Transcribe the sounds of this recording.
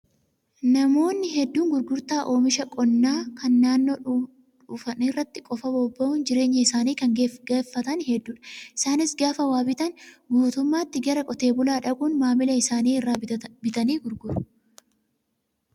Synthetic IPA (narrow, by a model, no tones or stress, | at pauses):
nɐmo̞ːnːɪɦɛd̪ːuːŋɡʊɾɡʊɾt̪aːʔo̞ːmɪʃɐkʼɔnːaːkɐnːaːnːoː | ᶑuːfɐnɪrːɐt̪ːɪkʼɔfɐbɔbːɐʔʊnd͡ʒɪɾe̞ːɲːɐɪsaːniːkɐŋɡeeːfːɐt̪ɐnhɛd̪ːuːᶑɐ̥ʔɪsaːnɪsɡaːfɐwaːbɪt̪ɐnbuːt̪ʊmːaːt̪ːɪɡɐɾɐkʼɔt̪e̞ːbʊlaːᶑɐɡuːnmaːmɪlɐɪsaːniːɪrːaːbɪt̪ɐniːɡʊɾɡʊɾʊ